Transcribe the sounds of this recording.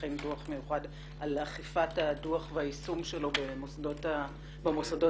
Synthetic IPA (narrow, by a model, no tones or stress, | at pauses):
imduaχmejuχad | alaχifataduaχveaisumʃelo̞bemosadota | bemosado